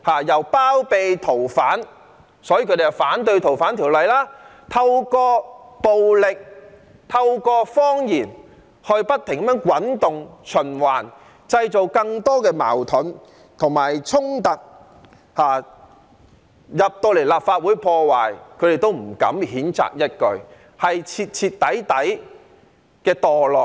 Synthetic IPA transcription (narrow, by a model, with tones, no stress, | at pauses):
haː˨˩jɐ˨˩wpaː˥wpe˨jt̪ʰo˨˩wfaː˨˥n | sɔː˨˥ji˧kʰɵ˧˥ɾe˨jɐ˨˩wfaː˨˥nt̪̬ɵ˧ɥt̪ʰo˨˩wfaː˨˥nt̪ʰiː˨˩wlɐ˨jlaː˥ | t̪ʰɐ˧wkɔː˧po˨wlɪ˨k̚ | t̪ʰɐ˧wkɔː˧fɔː˥ŋjiː˨˩n | hɔː˨˧jpɐ˥t̪ʰːɪ˨˩ŋkɐ˨˥mjœː˧˥ŋkwɐ˨˥nt̪ʊ˨ŋt͡ʃʰɵ˨˩nwaː˨˩n | t͡sɐ˧jt͡so˨wkɐ˧ŋt̪ɔː˥kɛː˧ma̰ː˨˩wt̪ʰʊ˨˥n | t̪ʰʊ˨˩ŋmaː˨˩jt͡sʰʊ˥ŋt̪ɐ˨k̚ | haː˨ | jɐ˨p̚t̪o˧wle˨˩jlaː˨p̚faː˧t̚wuː˨˥jpʰɔː˧waː˨jkʰɵ˨˧ɾe˨jt̪o˥wm̩˨˩kɐ̰˨˥mhiː˨˥nt͡sa̰ː˨k̚jɐ˥t̚kɵ˧ɥ | hɐ˨jt͡sʰiː˧t̚t͡sʰiː˧tt̪ːɐ˨˥jt̪ɐ˨˥j | kɛː˧t̪ɔː˨˩lɔː˨˩k̚